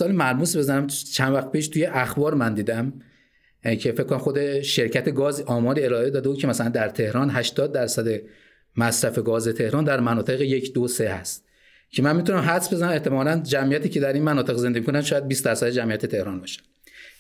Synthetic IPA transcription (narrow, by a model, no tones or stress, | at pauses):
sɒːlemælmuːsbe̞zænæmt͡ʃʰænvæxt̪̚pʰiːʃt̪ʰuje̞ʔæxbɒːɾmænd̪iːd̪æm | cʰefekʰːonæmxo̞d̪eʃe̞ɾcʰæt̪ʰeɡɒːzɒːmɒːɾiːe̞ɾɒːʔe̞d̪ɒːd̪ebuːcʰemæsælænd̪æɾt̪ʰe̞hɾɒːnɦæʃt̪ɒːd̪̚ːæɾsæd̪e | mæsɾæfe̞ɡɒːze̞t̪ʰe̞hɾɒːnd̪æɾmænɒːt̪ʰe̞ɣejecʰd̪osehæst̪̚ | cʰe̞mænmit̪ʰunæmɦæt̪sbe̞zænæme̞ht̪ʰe̞mɒːlænd͡ʒæmijæt̪ʰiːcʰe̞d̪æɾinmænɒːt̪e̞ɣzend̪emikʰonænʃɔːjæd̪̚biːst̪d̪æɾsæd̪e̞d͡ʒæmijæt̪ʰe̞t̪ʰe̞hɾɒːnbɒːʃæ̥n